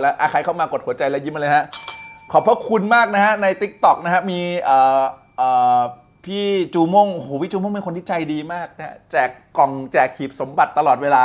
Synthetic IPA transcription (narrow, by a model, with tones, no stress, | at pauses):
lɛ˦˥ʔaː˧kʰa˧˩˦jkʰa˥˩wmaː˧ko˨˩t̪̚hu˩˦ɐt͡ɕa˧jlɛ˦˥wji˦˥mʔa˧lːjɦa˦˥ʔkʰɔ˨˩pʰːɾɔ˦˥kʰu˧nmaː˥˩k̚na˦˥ha˦˥na˧jt̪i˦˥k̚t̪ɔ˨˩k̚n˦˥ka˦˥miː˧ʔɤː˨˩ | ʔː | pʰiː˥˩t͡ɕuː˧mo˥˩ŋʔo˧˩hoː˨˦pʰiː˥˩t͡ɕuː˧mo˥˩ŋpe˧nko˧nt̪ʰiː˥˩t͡ɕa˧jdiː˧maː˥˩k̚na˦˥ha̰˦˥t͡ɕɛː˨˩kːɔ˨˩ŋt͡ɕɛː˨˩kʰːiː˨˩p̚so˩˦mba˨˩t̪ːa˧lɔː˨˩t̪̚weː˧laː˧